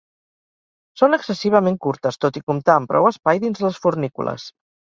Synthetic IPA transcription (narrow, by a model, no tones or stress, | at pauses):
sonəksəsiβ̞əmeŋkuɾt̪əst̪ot̪ikumt̪aəmpɾɔ̰wəspajðinzðləsfurnikṵlə̰s